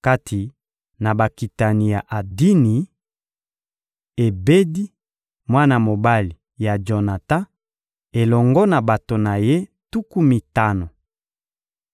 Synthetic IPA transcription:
ka˦tʰi˨ | na˨ba˨ki˨ta˨ni˨ja˨ʔa˨di˦ni˨ | e˨be˦di˦ | mwa˦na˨mo˨ba˦li˨ | ja˨d͡ʒo˨na˨ta˦ | e˨lɔ˨ŋɡɔ˦na˨ba˨to˨na˨je˦ | tu˦ku˦mi˨ta˦no˨

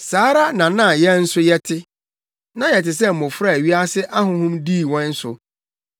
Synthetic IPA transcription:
saː˨˦ɾa˦nã˨nã˦˨jɛ˦n̩˦sʊ˦jɛ˦tʰɪ˦ | nã˦jɛ˨tɪ˨s̬ɛ˦m̩˨mʊ̃˨fɾa˦˨ɥi˦a˦sɪ˦ʔa˦ɦʊ̃˦ɦʊ̃˦mdiː˦˨wɔ̃˦n̩˦sʊ̰˨

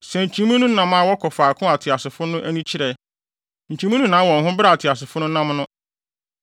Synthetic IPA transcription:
sɛ˨ɲ̩˨t͡ɕʰĩ˨mũ˦nũ˦nã˨ma˨wɔ˦kʰɔ˨fa˨kʰʊ̃˦a˨tʰɪ˨a˨sɪ˨fʊ˦nʊ̃˦ʔæ˦nũ˦t͡ɕʰɪ˦ɾɛ˨ | ɲ̩˨t͡ɕʰĩ˨mũ˦nũ˦nãː˨˦wɔ̃˨ŋ˨ɦʊ̃˦bɾa˦˨a˨tʰɪ˨a˨s̬ɪ˨fʊ˦nʊ̃˦nã˦mnʊ̃˦

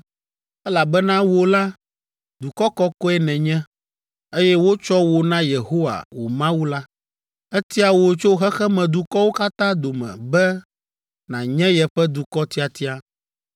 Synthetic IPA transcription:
ɛ˦la˨bɛ˦nã˦wo˦la˦ | d̪u˨kɔ˦kɔ˦kɔ˦ɛ˦˨nɛ̃˨ɲɛ̃˦ | e˦jɛ˦wo˦t͡ʃɔ˦wo˨nã˦je˨ɦo˦wa̰˨wo̰˨mã˦wu˦la˦ | ɛ˦t̪i˦a˨wo˨t͡ʃo˦ɦɛ˦xɛ˦mɛ̃˨d̪u˨kɔ˦wo˦ka˦t̪ã˦d̪o˨mɛ̰̃˨bɛ˦ | nã˨ɲɛ̃˦jɛ˨ɸɛ˦d̪u˨kɔ˦t̪i˦a˨t̪i˦a˦

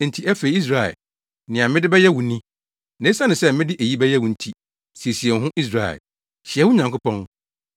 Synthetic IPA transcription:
n̩˨tʰi˦æ˦fe˨˦i˦s̬ɾa˦˨ɛ̰˨ | nɪ̃˨ã˨mɪ̃˦dɪ˦bɛ˦jɛ˦wu˨nĩ˦ | nẽ˦sa˦nɪ̃˨sɛ˦mɪ̃˦dɪ˦ʔe˨ji˦bɛ˦jɛ˦wũ˨n̩˨tʰi˦ | si˨e˨si˨ɛ˨n˨ɦʊ̃˦ʔi˦s̬ɾa˦˨ɛ̰˨l | ɕɪ˨ɛ˨˦wʊ˦ɲã˨ŋkʊ˦pɔ̃˦n

